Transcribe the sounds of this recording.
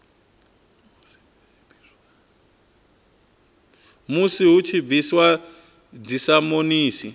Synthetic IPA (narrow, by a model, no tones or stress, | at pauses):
musiɦut͡ʃʰib̪viswa | d͡zisamoniːsi